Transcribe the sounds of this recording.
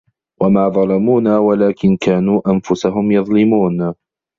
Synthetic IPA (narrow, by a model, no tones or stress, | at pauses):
wamaːðˤɑlɑmuːnaːwalaːkɪnkaːnuːʔanfʊsaɦʊmjɑðˤlɪmuːn